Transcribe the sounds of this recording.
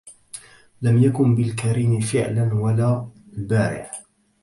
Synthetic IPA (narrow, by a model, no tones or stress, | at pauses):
lamjakʊnbɪlkaɾiːnɪfɪʕlanwalaː | lbaːɾɪ̰ʕ